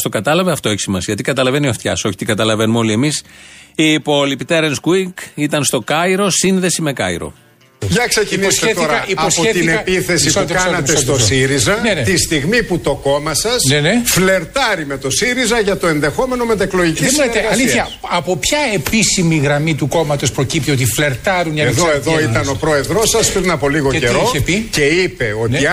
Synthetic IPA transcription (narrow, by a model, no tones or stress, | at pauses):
st̪o̞kɐt̪ɐlɐveɐft̪o̞eçi̥simɐsiʝɐt̪ikɐt̪ɐlɐvenioft̪çɐ̰so̞çi̥t̪iɡɐt̪ɐlɐve̞numo̞lie̞misipolipit̪eɾenskuikit̪ɐnst̪o̞kɐiɾo̞sinðe̞sime̞kɐiɾo̞̰ | ʝɐksecinist̪et̪oɾɐiosoet̪ineɐpiθe̞siukɐnɐt̪est̪ossiɾizɐnenet̪ist̪iɣmiput̪o̞ko̞mɐsɐsnenefle̞ɾt̪ɐɾimet̪o̞siɾizɐʝɐt̪o̞enðe̞xo̞me̞no̞met̪ekloʝiciemilet̪eɐliθçɐɐpo̞pçɐe̞pisimiɣɾɐmit̪uko̞mɐt̪o̞spɾo̞cip̚t̪io̞t̪ifle̞ɾt̪ɐɾunɐeðoeðoit̪ɐno̞pɾo̞eðɾo̞sɐspɾinɐpo̞liɣoeteiɾoepice̞ipeo̞nei